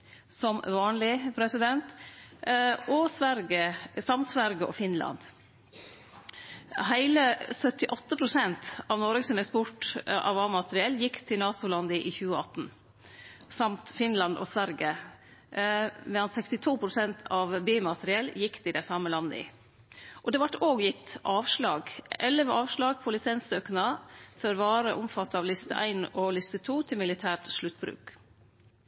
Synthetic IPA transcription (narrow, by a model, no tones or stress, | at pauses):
sɔmʋɑːnlɪpʰɾɛsɪd̪ɛnt̪ | ʔɔsʋæɾɡəsɑmt̪sʋæɾɡəʔɔ̰fɪnlɑ̰nd̪̥ | hæɪləsœt̪ːɪʔɔt̪ːəpʰɾʊsɛnt̪ɑʋnɔɾɡəsɪnɛkspɔʈʔɑ̰ʋɑːmɑt̪əɾɪɛljɪkːt̪ʰɪlnɑːt̪ʊlɑnd̪əʔiːçʉːəɑt̪n̩ | sɑmt̪fɪnlɑnd̪ɔ̰sʋæɾɡə | mɛɑnsɛkst̪ɪt̪ʰuːpʰɾʊsɛnt̪ʰɑʋbeːmɑt̪əɾɪɛlːjɪkːt̪ɪd̪ɛsɑməlɑnd̪əɪ̰ | ʔɔd̪ɛʋɑʈoːɡjɪt̪ːʔɑːʋʂlɑːɡɛlːəʋəɑːʋʂlɑːɡpʰɔlɪsɛnsøːknɑfœɾʋɑːɾəʔʊmfɑt̪ːɑʋlɪst̪ə̰ʔæ̰ɪnɔlɪst̪ət̪ʰuːt̪ʰɪlmɪlɪt̪ʰæːʈʂɭʉt̪ːbɾʉ̰ːk